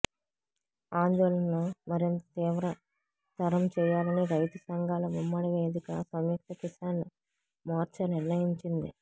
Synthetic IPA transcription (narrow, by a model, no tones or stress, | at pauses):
aːnd̪ɔːlɐnnumɐɾint̪ɐt̪iːʋɾɐ | t̪ɐɾɐmt͡ʃɛːjaːlɐniɾɐjt̪ɐsɐŋɡʱaːlɐmumːɐɽɐʋeːd̪ikɐ̰sɐmjɐk̚t̪ɐkisaːnːi | maːɾt͡ʃɐniɾnɐjiɲt͡ʃind̪ḭ